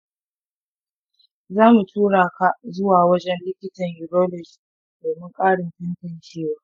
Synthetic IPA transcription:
zaː˦mu˨tʰuː˦ɽaː˨ka˦˨zʊ˦waː˨wɐ˦d͡ʒɛ˦nlɪ˦kʲɪ˦tɐ˨ɲji˨ɾoː˦lɔ˨d͡ʒ | doː˨mɪ˦ŋkʼaː˦ɽɪ˨nɸɪ˦ntɐ˨nt͡ʃeː˦waː˨˦

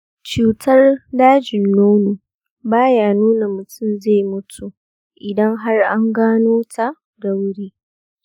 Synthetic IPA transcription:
t͡ʃuː˨tʰɐ˦rdaː˦d͡ʒɪ˨nːoː˦nu˨ | baː˦jaː˦nuː˦na˨mʊ˨tʰʊ˦˨mze˦˨jmʊ˦tʰu˨ | ʔɪ˨dɐ˦ŋɦa˦rʔa˦ŋɡaː˦noː˦tʰa˨ | dɐ˦wɽiː˦

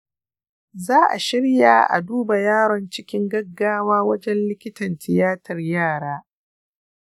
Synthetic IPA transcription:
zaː˦ʔa̰˨ʃɪ˦ɽja̰ː˨ʔa̰˨duː˦ba˨jaː˦ɾɔ˨nt͡ʃɪ˦kʲɪ˦ŋɡɐ˦ɡːaː˦waː˦wɐ˦d͡ʒɛ˦nlɪ˦kʲɪ˦tɐ˨ntʰɪ˨jaː˦tɐ˨rjaː˦˨ɽaː˦

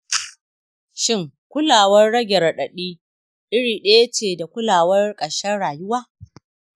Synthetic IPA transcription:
ʃɪ˦ŋ | kʷʊ˦laː˨wɐ˦rɽɐ˦ɡʲɛ˨rɗɐ˨ɗiː˦ | ɗɪ˦ɽiː˨ɗɐe˦jɐ˦t͡ʃeː˨da˨kʷʊ˦laː˨wɐ˦rkʼɐ˨ʃɐ˦ɽaː˨jʊ˦waː˦

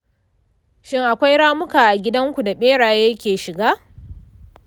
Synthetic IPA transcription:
ʃɪ˦ŋʔa˨kʷa˦jɽaː˦mʊ˦kaː˨ʔa˨ɡʲɪ˦dɐ˦ŋkʷu˨da˨ɓeː˦ɽaː˨jɐ˦kʲeː˨ʃɪ˨ɡaː˦

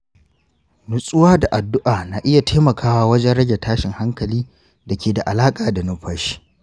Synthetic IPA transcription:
nʊ˨sʼʊ˦waː˦da˨ʔa˨dʊ˦ʔaː˨naː˨ʔɪ˦ja˨tʰaː˦mɐ˨kʰaː˦waː˦wɐ˦d͡ʒɛ˦nɽɐ˦ɡʲe˨tʰaː˦ʃɪ˨ŋha˦ŋkɐ˨liː˦ | dɐ˨kʲʰeː˨da˨ʔa˨laː˦kʼaː˨da˨nʊ˦ɸaː˦ʃi̥˦

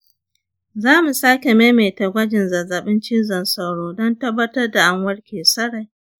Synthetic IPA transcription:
zaː˦mu˨saː˦kʲe˨meː˦meː˨tɐ˨ɡʷɐ˦d͡ʒɪ˨nzɐ˨zɐ˨ɓɪ˦nt͡ʃiː˦zɐ˨nsɐ˨wɽoː˦dɔ˦ntɐ˦bːɐ˦tɐ˦rda˨ʔa˨ŋwɐ˦ɽkʲʰeː˨sɐ˦ɽa˨j

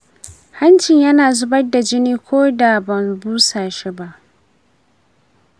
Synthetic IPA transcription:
ha˦nt͡ʃɪ˨ɲjɐ˦naː˨zʊ˦bɐ˦rda˨d͡ʒɪ˦niː˦kʷʰoː˦da˨bɐ˨mbuː˦saː˨ʃi˦ba˦ʔ

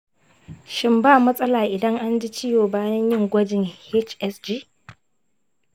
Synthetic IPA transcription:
ʃɪ˦mbaː˦˨mɐ˦sʼɐ˦laː˨ʔɪ˨dɐ˦ŋʔa˦nd͡ʒi˦t͡ʃɪ˦joː˨baː˦jɐ˦ɲjɪ˦ŋɡʷɐ˦d͡ʒɪ˨ŋhe˦t͡ʃʔɛ˦sd͡ʒi˦

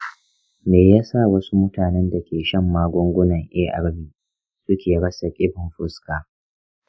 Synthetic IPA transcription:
meː˨ja˦sa˦˨wɐ˦su˦mʊ˦taː˨nɛ˦nda˨kʲeː˨ʃɐ˦mːaː˦ɡʷʊ˦ŋɡʷʊ˦nɐ˨ŋʔeː˦ʔa̰˨ɽbiː˦˨ | sʊ˦kʲeː˨ɽɐ˦sa˨kʲʼɪ˦ɸɪ˨mɸʊ˦skaː˨

